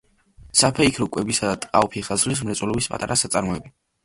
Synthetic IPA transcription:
sapʰɛikʰɾɔkʼwɛbisad̪at̪ʼqʼaɔpʰiχazlis̬mɾɛt̪sʼɛlɔbispʼa̰t̪ʼa̰ɾasat̪sʼaɾmɔɛbi

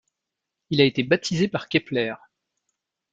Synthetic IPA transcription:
ilaet̪ebat̪ʰizepaʁkʲɛplɛːʁ

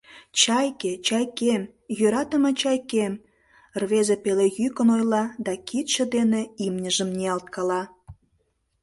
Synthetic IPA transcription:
t͡ɕɑjket͡ɕɑjkem | jøɾɑt̪ə̆met͡ɕɑjkem | rβezepelejykənojlɑd̪ɑkit̪ʃə̆d̪eneimnʲəʒəmnʲeɑlt̪̚kɑlɑ

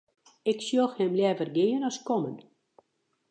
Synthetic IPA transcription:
ɪksjoxhɛmljɛvərɡeənɔskɔmən

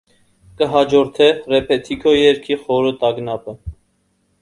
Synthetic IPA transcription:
kəɦɑd͡ʒɔɾt̪ʰɛrɛpʰɛt̪ʰikʰɔjɛɾkʰiχɔɾut̪ɑɡnɑpə

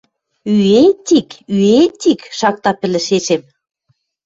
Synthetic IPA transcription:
yet̪ikyet̪ikʃɑk̚t̪ɑpɘ̆lɘ̆ʃeʃem

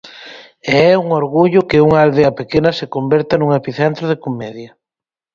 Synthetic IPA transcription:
eɛuŋoɾɣuʎʊkɪuŋaald̪eɐpekenɐsekombeɾt̪anuŋepiθɛnt̪ɾoð̞ekomɛðjɐ

